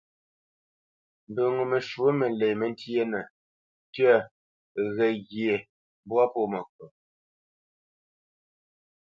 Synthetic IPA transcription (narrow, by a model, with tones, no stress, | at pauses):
m̩˨bə˨ŋu˨mə˨ʃwo˦me˨le˨jmə˨n˦tje˦nə˨ | tɥɛ˦˨ | ɣɛ˨ɣje˨˦ | bwa˦po˦˨mɔ˨k̚ɔ˨